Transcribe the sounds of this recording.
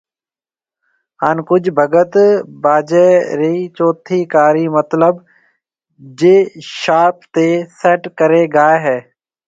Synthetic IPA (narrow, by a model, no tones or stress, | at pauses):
ɦaːnkʊd͡ʒʱbʱəɡət̪baːd͡ʒeːɾiːt͡ʃoːt̪ʰiːkaːɾiːmət̪ləb | d͡ʒeːʃaːp̚t̪eːseːʈkəɾeːɡaːeɦɛː